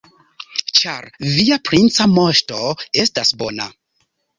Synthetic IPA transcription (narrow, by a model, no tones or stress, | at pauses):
t͡ʃa̰ɾviapɾint͡samoʃto̞e̞stasbona